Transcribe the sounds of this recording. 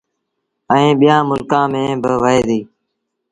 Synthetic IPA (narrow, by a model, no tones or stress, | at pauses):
əĩːɓɪjãːmʊlkãːmẽːbɪʋəɦeːd̪iː